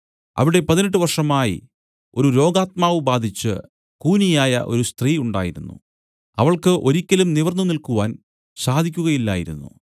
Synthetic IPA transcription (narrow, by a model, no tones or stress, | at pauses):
ɐ̰ʋiɽe̞pɐðineʈ̬ːɨʋɐrʂɐmaːjḭ | o̞ɾuɾo̞ːɡaːt̪̚maːʋɨbaːd̪ʱit͡ɕːɨ̰ | kuːnijaːjɐ̰ʔo̞̰ɾust̪riːuɳɖaːjiɾunːṵ | ɐʋɐɭkɨʔo̞ɾikʲːɐlumniʋɐrnːunilkuʋaːn | saːd̪ʱikʲːuɣɐjilːa̰ːjiɾṵnːṵ